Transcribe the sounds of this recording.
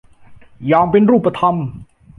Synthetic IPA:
jɔː˧ŋpe˧nɾuː˥˩pːɾa˧t̪ʰa˧m

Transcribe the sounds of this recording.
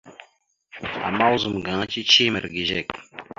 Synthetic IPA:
a̰˨mːa˦wzə˨mɡa˨ŋ˦t͡ʃi˦t͡ʃi˦mə˨ɾɡi˨ʒe˦˨k

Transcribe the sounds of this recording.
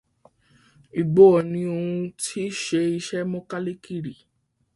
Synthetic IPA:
i˨ɡ͡bɔ˨˦ɔ˨nĩ˧o˧ũ˧tʰi˦ʃe˧i˧ʃɛ˦mɔ̃˦ka˦le˦ki˦˨ɾi˨

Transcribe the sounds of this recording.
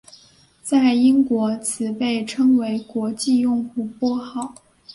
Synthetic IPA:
t͡sa˥˩ɪi˥ŋkwɔ˧˥t͡sʰɹ̩˧˥pe˥˩ɪʈ͡ʂʰɤ˥ŋwe˧˥ɪkwɔ˧˥t͡ɕi˥˧jʊ˥˧ŋxu˥˩pwɔ˥xɑ˥˩ʊ

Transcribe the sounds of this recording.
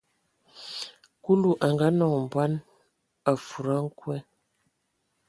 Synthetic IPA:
ku˦lu˦ʔa˨ŋɡa˨˦nɔ˨ŋm˨ba˦n | a˨fu˨ɾa˦ŋ̩˦kwɛ˦

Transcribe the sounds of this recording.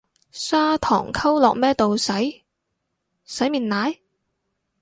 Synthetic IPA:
saː˥t̪ʰɔ̰ː˨˩ŋkʰɐ˥wlɔː˨k̚mɛː˥t̪o˨wsɐ˨˥j | sɐ˨˥jmiː˨˩nnaː˨˥j

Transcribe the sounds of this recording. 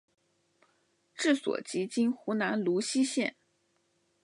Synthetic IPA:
ʈ͡ʂɻ̩˥˩swɔ̰˨˩t͡ɕi˧˥t͡ɕi˥nxu˧˥na˧˥nlu˧˥ɕi˥ɕjɛ˥˩n

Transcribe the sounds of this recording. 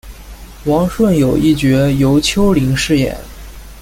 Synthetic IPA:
wɑ˧˥ŋʂwə˥˩njo˨˩ʊʔi˥˩t͡ɕɥɛ˧˥jo˧˥ʊt͡ɕʰjo˥ʊli˧˥ŋʂɻ̩˥˩jɛ̰˨˩˦n

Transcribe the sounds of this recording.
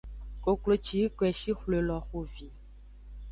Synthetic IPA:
ko˨klo˨t͡ʃi˨˦kwɛ˨ʃi˦xle˨lɔ˨xo˨vi˨

